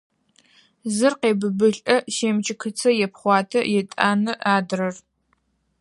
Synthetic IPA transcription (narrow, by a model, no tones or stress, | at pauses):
zɨrqeːbɨbɨɬʼɐʃeːmt͡ʃʰʼɪkʰɨt͡sʰɐjɛpχʷɑːtʰɐ̰jɛtʼaːnɨʔaːdrɐr